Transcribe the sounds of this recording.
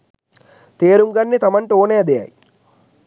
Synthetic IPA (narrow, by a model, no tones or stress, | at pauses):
t̪eːɾumɡɐnːit̪ɐmɐɳʈoːneːɐd̪ɐja̰ːj